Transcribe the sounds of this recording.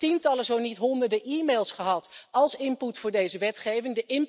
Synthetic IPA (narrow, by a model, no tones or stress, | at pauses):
tintɑləzownitɦɔndəɹdəʔimejlˠsχəɦɑtɑlˠsɪnputfʊːɹdejzəʋɛtχejvɪŋdəʔɪn